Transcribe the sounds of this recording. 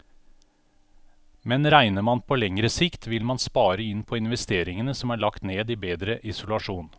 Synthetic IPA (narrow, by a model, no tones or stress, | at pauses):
mɛnɾæɪnəmɑnpʰoːlɛŋɾəsɪkt̪ʋɪlmɑnspɑːɾəɪnpʰɔɪnʋɛst̪eːɾɪŋənəsɔmæːɭɑkt̪neːd̪iːbeːd̪ɾəʔɪsʊlɑʂuːn